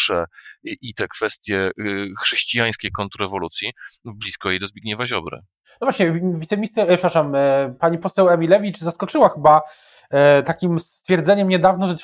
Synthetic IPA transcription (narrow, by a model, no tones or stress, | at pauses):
ʂɛʔit̪ɛkfɛst̪ʲjɛxʂɛɕt͡ɕijaj̃skʲejkɔnt̪uɾɛvɔlut̪sʲjiblʲiskɔjejd̪ɔzbʲjeɡɲɛvaʑɔbɾɛ̰ | nɔvwaɕɲɛvʲitsɛmʲist̪ɛpʂɛpɾaʂampaɲipɔsɛwɛmʲilɛvʲit͡ʂzaskɔt͡ʂɘwaxɘba | t̪akʲimst̪fʲjɛɾd̪zɛɲɛmɲɛd̪avnɔʐɛt̪